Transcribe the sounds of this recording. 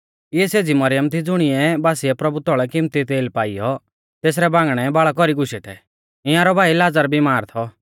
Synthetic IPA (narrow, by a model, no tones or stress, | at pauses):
ɪjɛseːd͡zimɐɾɪjəmt̪ʰid͡zʊɽ̃ɪɛbaːsiɛpɾɐbut̪ɔɭɛkɪmt̪it̪eːlpaːɪjɔ | t̪eːs̬ɾɛbãːŋɡɽ̃ɛbaɭak̬ɔɾiɡʊʃɛt̪ʰɛ | ɪ̃jãɾɔbʱaːilaːd͡zəɾbʱimaːɾt̪ʰɔ